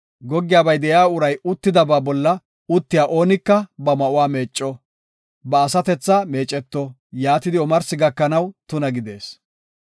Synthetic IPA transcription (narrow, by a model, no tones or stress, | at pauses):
ɡɔɡːɪjaːbɐjd̪ɛjaːʊɾɐjʊt̪ːɪd̪ɐbaːbɔlːɐ | ʊt̪ːɪjaːʔo̞ːnɪkːɐbɐmɐʔʊwaːme̞ːt͡ʃʼːɔ | bɐːsɐt̪ɛt͡sːame̞ːt͡ʃʼːɛt̪ːɔ | jaːt̪ɪd̪ɪɔmɐɾsɪɡɐkːɐnɐwt̪ʊnɐɡɪd̪e̞ːs